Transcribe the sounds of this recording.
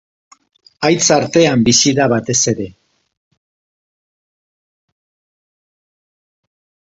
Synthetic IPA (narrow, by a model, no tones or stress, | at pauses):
ajt͡saɾt̪e̞ambisiðaβat̪e̞se̞ɾe̞